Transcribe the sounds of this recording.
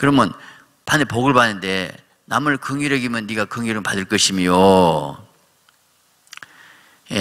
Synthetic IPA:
kɯɾʌmjʌn | panepoɡɯɭbanːɯnde̞ | namɯɭkɯŋuɾʌɡimjʌnːiɡakɯŋjuɾɯmpadɯɭk͈ʌɕʰimijo | je

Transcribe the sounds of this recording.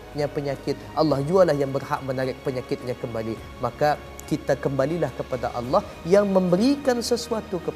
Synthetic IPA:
ɲãpəɲãkɪt̪̚ʔɑlːɑhd͡ʒualahjaŋbərha̰ʔ̚mənaɾɪk̚pəɲakɪt̪̚ɲãkəmbali | maka | kit̪akəmbalilahkəpadaʔɑlːɑh | jaŋmə̃mbəɾikansəsuat̪ukə

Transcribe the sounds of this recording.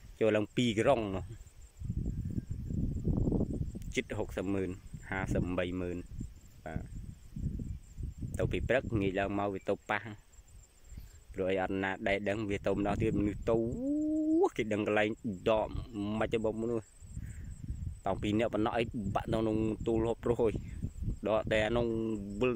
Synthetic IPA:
t͡ɕoːlaːəŋpiːkroŋnŭəh | t͡ɕɨt̪̚ɦok̚səp̚məːnhaːsəp̚ɓəjməːnɓa̰ː | t̪ɨwpiːprɨk̚ŋiəc̚laəŋmaɔwʋiət̪owpah | pruəʔəjʔɑt̪̚naːɗaɛɗəŋʋiət̪əwməɗɑht̪iət̪̚mənɨht̪uw | hkeːɗəŋkəlaɛŋɗɑːʔməc̚rɔɓɑmnuəh | t̪ɑŋpiːnɛ̆əʔpənːɑhʔəjɓaʔnonʊŋt̪uːlːəhoːp̚rʊəhʔoːjɗɑːʔɗ̪aanuŋʋɨl

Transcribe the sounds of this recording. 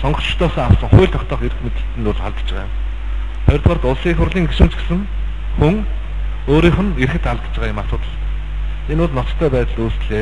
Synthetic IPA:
sɔɴɢɞ̆χt͡ɕʰɪ̥t̪ʰɔːsɔːŋawsə̆ŋχʊjɮt̪ʰɔkt̪ɔːχeɾɘ̆xmet̪ɘ̆ɬt̪ɘ̆nʊɮaɮt̪t͡ɕə̆ʁa̰ːjʊm | χœjɞrt̪ɢaːrt̪ʊɮsiːxʊrɮiːŋɡeʃɘ̆mt͡ɕɡesɘ̆ŋ | xuŋ | oːɾiːχə̆nerxɘ̆t̪aɮt̪t͡ɕ̆ʁaːjʊmaːr̥t̪ʊːt̪ə̆ɮ | enʊːɮnɔt͡s̪t̪ʰːœːpæːt̪ə̆ɮuːsɮeː

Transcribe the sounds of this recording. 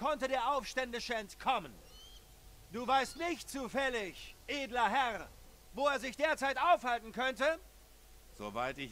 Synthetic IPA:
kʰɔntədeːɐʔaʊfʃtɛndɪʃəɛntkʰɔmən | d̥uːvaɪstnɪçt̚t͡suːfɛlɪçʔeːdlɐɦɛʁ | voːeːɐzɪçd̥eːɐt͡saɪtʔaʊfhaltn̩kʰœntə | z̥o̰va̰ɪtɪç

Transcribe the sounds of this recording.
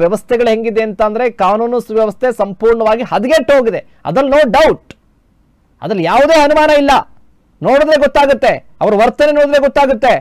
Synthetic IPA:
ʋjɐʋɐst̪ʰɛɡɐɭuɦe̞ŋɡid̪eɐnt̪ɐːnd̪ɐɾe̞kaːnuːnɐsʋjɐʋɐst̪ʰe̞sɐmpuːɾɳɐʋaːɡiɦɐd̪ɡeʈɦoːɡid̪e̞ | ɐ̰d̪ɐlnoːɖɐwʈ | ɐ̰d̪ɐlːjaːʋud̪e̞ːɦɐnumaːnɐilːɐ | no̞ːɽud̪ɾe̞ɡɔt̪ːaːɡut̪ːe̞ | ɐʋɐɾuʋɐɾt̪ɐne̞noːɽud̪ɾe̞ɡɔt̪ːaːɡut̪ːe̞

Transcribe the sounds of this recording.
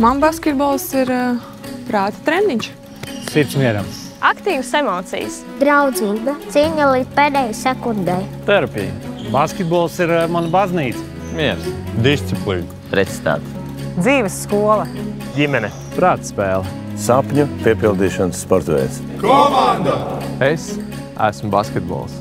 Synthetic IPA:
manbaskʲɛt̪̚bɔlˠsiɾ | pɾaːt̪t̪ɾɛnd̪iɲʲt͡ʃ | siɾt̪smʲiɛɾam | akt̪iːvsemɔːt̪sḭjs | d̪ɾawd̪ziːbat̪siɛɲalˠiːt̪̚peːd̪ɛjsɛkund̪ɛjt̪ɛɾapʲijbaskʲet̪̚bɔlˠsiɾmanbazniːt̪s | miɛɾsd̪ist̪siplˠiːn | pɾɛt̪si̥t̪a̰ːt̪ | d̪ziːʋəsːkuɔlˠɐ | ɡʲimɛnɛ | pɾaːt̪spɛːlˠ | sapɲupiɛpilˠd̪iːʃɔnsːpɔɾt̪vɛ̰ːs | kɔmand̪aes | æ̰smbaskʲɛt̪bɔ̰ːlˠs

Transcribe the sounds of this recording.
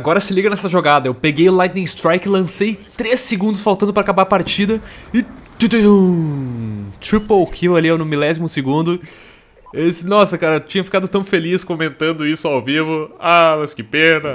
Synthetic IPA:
aɡɔɾɐsɪliɡɐnɛsɐʒoɡad̪ɐewpeɡejʊlajt̪nẽst̪ɾajkɪlɐ̃sejt̪ɾesːɪɡũnd̪ʊsfawt̪ɐ̃d̪ʊpɾɐakabaɾpaɾt͡ʃid̪ɐɪt̪t̪ | t̪ɾipowkʰiwalionʊmilɛzimʊsɪɡũnd̪ʊ | esnɔsɐkaɾɐet͡ʃĩɲɐfi̥kad̪ʊt̪ɐ̃w̃feliskõmẽnt̪ɐ̃nd̪ʊisʊawvivʊamɐjskɪpeɾd̪ɐ

